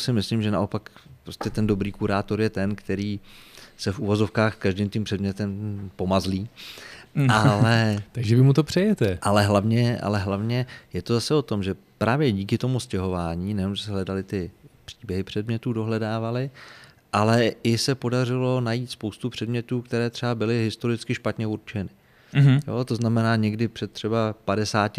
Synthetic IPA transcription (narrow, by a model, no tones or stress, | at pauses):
sɪmɪslimʒɛnaʔo̞pakpɾoscɛt̪ɛndo̞bɾiːkuɾaːt̪o̞ɾjɛt̪ɛnkt̪ɛɾiːsɛfʔuvo̞zo̞fkaːxskaʒdɪmt̪ɪmpr̝̥ɛdmɲɛt̪ɛmpo̞mazliː | alɛt̪aɡʒɛvɪmut̪opr̥ɛjɛt̪ɛʔalɛɦlavɲɛʔa̰lɛɦlavɲɛjɛt̪o̞zasɛo̞t̪o̞mʒɛ | pɾaːvjɛɟiːkɪt̪o̞muscɛɦo̞vaːɲiːnɛjnomʒɛsɛɦlɛdalɪt̪ɪpr̥iːbjɛɦɪpr̝̥ɛdmɲɛt̪uːdo̞ɦlɛdaːvalɪ | ʔalɛʔɪsɛpo̞dar̝ɪlo̞najiːt̪spo̞wst̪upr̝̥ɛdmɲɛt̪uːkt̪ɛɾɛːt̪r̥ɛbabɪlɪɦɪst̪o̞ɾɪt͡skɪʃpat̪ɲɛuɾt͡ʃɛnɪ | joːt̪oznamɛnaːɲɛɡdɪpr̥ɛt̪tːr̥ɛbapadɛsaːtɪ